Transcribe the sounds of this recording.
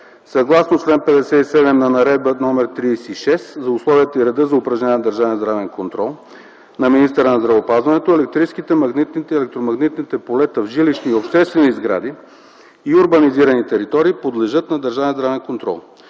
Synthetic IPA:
sɐɡlˠasnot͡ʃlɛnpɛd̪ɛsɛt̪isɛd̪ɛmnɐnɐɾɛd̪̚bənɔmɛɾt̪ɾiːsiːʃɛszɐʊslˠɔviət̪əiɾɛd̪ɤzɐʊpɾɐʒnɛnʲɛnɐd̪əɾʒɛvɛnzd̪ɾavɛnkont̪ɾɔlˠ | nɐminist̪ɛɾənɐzd̪ɾɐvopazvɐnɛt̪oɛlɛk̚t̪ɾiskit̪ɛmɐɡnit̪nit̪ɛɛlɛk̚t̪ɾomɐɡnit̪nit̪ɛpolɛt̪əvʒiliʃniopʃt̪ɛst̪vɛnizɡɾa̰d̪i | iʊɾbɐniziɾɐnit̪ɛɾit̪ɔɾiːpod̪lɛʒɤt̪nɐd̪əɾʒavɛnzd̪ɾavɛnkont̪ɾɔ̰lˠ

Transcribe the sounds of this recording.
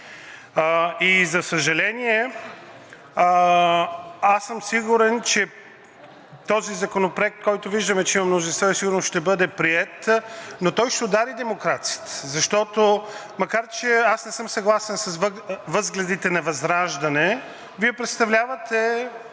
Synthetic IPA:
izɐsəʒɐlɛniɛ | asːəmsiɡuɾɛnt͡ʃɛ | t̪ɔzizɐkonopɾoɛk̚t̪̚kɔjt̪oviʒd̪ɐmɛt͡ʃɛimɐmnozinst̪vɔisiɡʊɾnosʃt̪ɛbɤd̪ɛpɾiɛt̪not̪ɔjʃt̪ɛod̪aɾid̪ɛmokɾat̪sijə̥t̪ə̥zɐʃt̪ɔt̪o | mɐkaɾt͡ʃɛasnɛsɤmsɐɡlˠasɛnsɐsvvɤzɡlʲɐd̪it̪ɛnɐvɐzɾaʒd̪ɐnɛ | viɛpɾɛt̪st̪ɐvlʲavɐt̪ɛ

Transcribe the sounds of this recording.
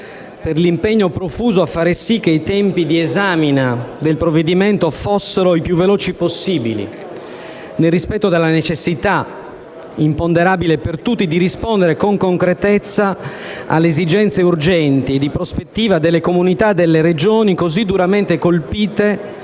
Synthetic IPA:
perlimpeɲːopɾofuːzoafːaːɾesik̟ːeit̪ɛmpid̪iezaːminad̪elpɾovːed̪iment̪ofosːeɾoipjuvːeloːt͡ʃiposːiːbḭlḭ | nelrːispɛt̪ːod̪elːanet͡ʃesːit̪a | impond̪eɾaːbilepert̪ut̪ːid̪iɾispoɔnd̪eɾekoŋkoŋkɾet̪ɛt̪sːaa̰lːeːzid͡ʒɛnt̪seurd͡ʒɛnt̪ied̪ipɾospet̪ːiːvad̪elːekomunit̪ad̪elːeɾed͡ʒoːnikozid̪uɾament̪ekolpiːt̪e

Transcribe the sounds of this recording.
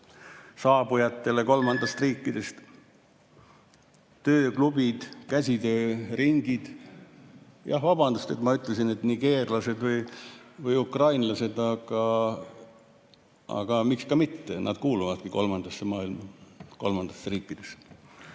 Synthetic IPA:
sɑːbujɑt̪ːe̞le̞ko̞lmɑnd̪̥ɑst̪riːkːˑid̪̥e̞st̪ | t̪ø̞ːklub̥id̪̥kæsʲit̪øːriŋɡ̥id̪̥ | jɑ̰hvɑb̥ɑnd̪ust̪et̪mɑyt̪ːˑlesinet̪niɡ̥e̞ːrlɑse̞d̪vɤjvɯjukrɑjnlɑse̞d̪ɑɡ̥ɑ | ɑ̰ɡ̥ɑmikskɑmit̪ːenʔɑ̰d̪̥̚kuːluvɑd̪̥̚kiko̞̰lmɑnd̪̥ɑsːemɑːilmɑko̞̰lmɑnd̪̥ɑsːriːkːˑid̪̥e̞s

